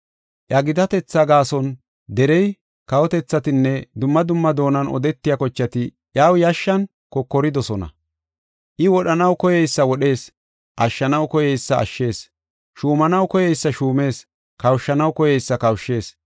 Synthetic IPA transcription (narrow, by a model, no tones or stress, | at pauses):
ʔjɐɡɪd̪ɐt̪ɛt͡sːɐɡaːsɔn | d̪ɛɾɛj | kɐwɔt̪ɛt͡sːɐt̪ɪnːɛd̪ʊmːɐd̪ʊmːɐd̪o̞ːnɐnɔ̰d̪ɛt̪ːɪjakɔt͡ʃːɐt̪ɪ | ʔjaːwjaʃːɐn | kɔkːɔɾɪd̪ɔsɔnɐ̰ | ʔɪwɔɗɐnɐwkɔjɛjsːɐwɔɗe̞ːs | ʔɐʃːɐnɐwkɔjɛjsːɐɐ̰ʃːe̞ːs | ʃuːmɐnɐwkɔjɛjsːɐʃuːme̞ːs | kɐwʃːɐnɐwkɔjɛjsːɐkɐwʃːe̞ːs